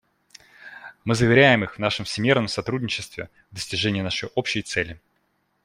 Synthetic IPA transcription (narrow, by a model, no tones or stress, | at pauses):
mɨzəvʲɪɾʲæjɪmɨxvnaʂəmfsʲɪmʲe̞rnəmsɐt̪ɾudʲnʲɪt͡ɕɪst̪vʲɪ̰ | vd̪əsʲtʲɪʐɛnʲɪjənaʂəjʔopɕɪjt̪sɛlʲɪ